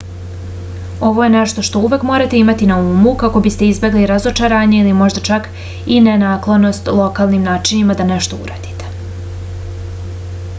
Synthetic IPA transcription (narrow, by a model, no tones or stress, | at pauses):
o̞ʋo̞je̞neʃt̪o̞ʃt̪o̞uʋe̞kmoːɾat̪e̞imat̪inauːmukako̞bist̪e̞izbʲje̞ɡliɾazot͡ʃaɾaːɲeilimo̞ʒd̪at͡ʃak | inenaːklˠo̞no̞st̪lˠo̞kaːlˠnimnaːt͡ʃiɲimad̪ane̞ʃt̪o̞ṵɾa̰ːd̪i̥t̪e̥